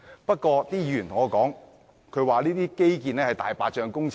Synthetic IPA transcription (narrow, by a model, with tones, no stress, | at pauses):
pɐ˥t̚kʷɔː˧t̪iː˥jːyː˨˩nt̪ʰʊ˨˩ŋɔː˨˧kɔː˨˥ŋ | kʰɵ˨˧ɥwaː˨˩liː˥t̪iː˥ke˥jk̬iː˨nlɛː˥hɐ˨jt̪aː˨˩jpa̰ː˧t͡ʃœː˧ŋkʊ˥ŋt͡sʰ